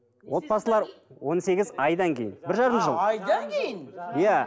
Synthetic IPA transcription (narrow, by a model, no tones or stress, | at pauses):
wʔo̞t̪̚bɑsəlˠɑɾwo̞nse̞ɡʲɪzɑjd̪ɑŋkʲʰe̞jɪnbɪɾʒɑɾəmʒəlˠɑjd̪ɑŋkʲʰejɪnjæ